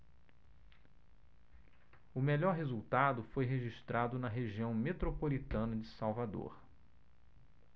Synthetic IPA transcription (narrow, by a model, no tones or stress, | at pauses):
ʊmelɔɾɦezuwt̪ad̪ʊfojɦeʒiʃt̪ɾad̪ʊnɐɦeʒiɐ̃w̃met̪ɾopolit̪ɐ̃nɐd͡ʒɪsawvad̪o̰ɾ